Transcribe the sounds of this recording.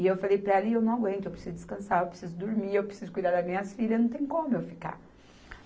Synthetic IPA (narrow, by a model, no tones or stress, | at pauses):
ɪewfalejpɾɐaliewnɐ̃w̃aɡwẽnt̪ʊewpɾesizʊd̪i̥skɐ̃saɾewpɾesizʊd̪uɾmiewpɾe̥sizʊkujd̪aɾd̪ɐmĩɲɐsfilɐnɐ̃w̃t̪ẽj̃ukõmʊmʊewfika̰